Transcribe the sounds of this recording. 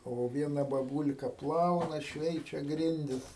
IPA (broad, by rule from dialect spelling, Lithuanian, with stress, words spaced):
ˈoː ˈʋʲiɛnɐ bɐˈbʊlʲkɐ ˈplˠɐʊnɐ ˈʃʲʋʲɛɪt͡ʃʲɛ ˈɡrʲɪnʲdʲɪs